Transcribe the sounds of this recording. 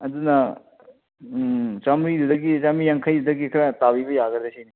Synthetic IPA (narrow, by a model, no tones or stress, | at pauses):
ɐdunɐ | t͡ʃamɾidudɐɡit͡ʃamijaŋkʰɐjdudɐɡikʰɾɐtabibɐjaɡɐdesʰini